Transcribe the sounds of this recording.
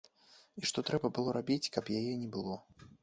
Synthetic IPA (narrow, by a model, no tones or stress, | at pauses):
iʂt̪ɔt̪ɾɛbɐbɨlˠɔɾabʲit͡sʲkɐpjajɛnʲɛbɨlˠɔ